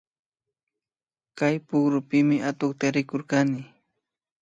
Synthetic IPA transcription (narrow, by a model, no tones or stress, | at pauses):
kajpʊχɾʊpɪmɪʔat̪oχt̪aɾɪkoɾkanɪ